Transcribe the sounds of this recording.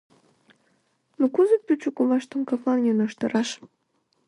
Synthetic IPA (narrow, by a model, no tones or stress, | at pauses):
nukuzepʲyt͡ɕukulɑʃt̪ə̆mkɑklɑnjʲenəʃt̪ə̆ɾɑʃ